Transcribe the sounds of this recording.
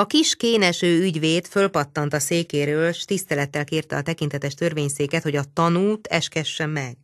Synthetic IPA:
ɒkiʃkeːnɛʃøːyɟʋeːt̪fø̞lpɒt̪ːɒnt̪ɒseːkeːɾøːlʃt̪ist̪ɛlɛt̪ːɛlkeːrt̪ɛɒt̪ɛkint̪ɛt̪ɛʃt̪ø̞rveːɲseːkɛt̪ho̞ɟɒt̪ɒnuːt̪ɛʃkɛʃːɛmːɛɡ̥

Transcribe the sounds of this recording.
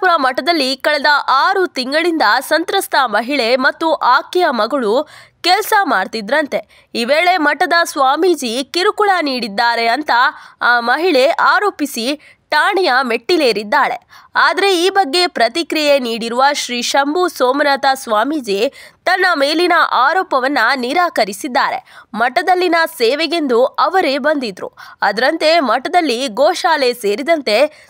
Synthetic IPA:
uɾɐmɐʈːɐd̪ɐlːikɐɭɛd̪ɐʔaːɾut̪iŋɡɐɭind̪ɐsɐnt̪ɾɐst̪ʰɐmɐɦiɭe̞mɐt̪ːuʔaːkɛjɐmɐɡɐɭukɛlsɐmaːɽt̪id̪ɾɐnt̪e̞ | iʋeːɭe̞mɐʈːɐd̪ɐsʋaːmid͡ʒikiɾukuɭɐniːɽid̪ːaːɾe̞ɐnt̪ɐaːmɐɦiɭe̞ʔaːɾo̞ːpisi | ʈaːɳijɐme̞ʈːileːɾid̪ːaːɾe̞aːd̪ɐɾeiːbɐɡːe̞pɾɐt̪ikɾije̞niːɽiɾuʋɐʃɾiːʃɐmbusoːmnaːt̪ɐsʋaːmid͡ʒit̪ɐnːɐme̞ːlinɐʔaːɾoːpɐʋɐnːɐniɾaːkɐɾisid̪ːaːɾe̞̰mɐʈːɐd̪ɐlːinɐseːʋɛɡe̞nd̪uɐʋɐɾebɐnd̪id̪ɾṵɐd̪ɐɾɐnt̪e̞mɐʈːɐd̪ɐlːiɡoːʃaːle̞seːɾid̪ɐnt̪e̞

